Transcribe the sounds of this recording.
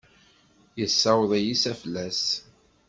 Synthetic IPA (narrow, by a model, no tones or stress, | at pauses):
jəsːɑwðˤæjisæflːæs